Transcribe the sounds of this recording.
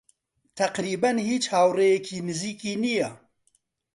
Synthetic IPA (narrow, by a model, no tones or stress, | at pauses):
t̪ʰɐqɾiːbɐnhiːt͡ʃhaːwrejɛkʰiːmɨziːkiːnijɛ